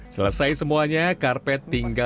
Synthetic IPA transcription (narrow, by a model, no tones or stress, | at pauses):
sələsajsəmuaɲakarpɛt̪ːiŋɡa